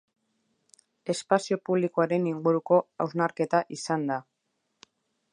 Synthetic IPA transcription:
e̞spasio̞puβ̞likoaɾe̞niŋɡuɾuko̞awznaɾke̞t̪aʔisand̪a

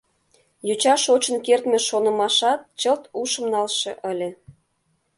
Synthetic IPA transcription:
jut͡ɕɑʃot͡ɕə̆nkert̪mĕʃonə̆mɑʃɑt̪̚t͡ɕəlt̪uʃə̆mnɑlʃḛ̆ʔəlʲĕ

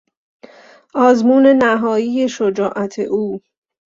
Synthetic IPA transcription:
ʔɒːzmuːne̞næɦɒːjiːje̞ʃod͡ʒɒːʔæt̪ʰḛʔuː

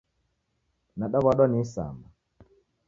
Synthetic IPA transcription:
naɗɔβɔɗɔnisa̰mba

